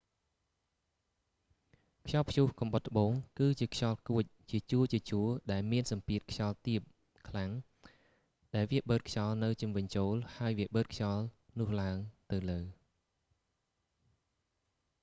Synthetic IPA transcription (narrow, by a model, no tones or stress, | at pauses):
kʰjɑlpʰjuhkɑmɓət̪̚ʰːə̆ɓoːŋkɨːt͡ɕiəkʰjɑlkuəc̚t͡ɕiət͡ɕuət͡ɕiət͡ɕuəɗaɛlmiənsɑmpiət̪̚kʰjɑlt̪iəp̚ | kʰlaŋ | ɗaɛlʋiəɓəːt̪̚kʰjɑlnɨwt͡ɕumʋɨɲt͡ɕoːlhaəjʋiəɓəːt̪̚kʰjɑlnʊ̆əhlaəŋt̪ɨwləː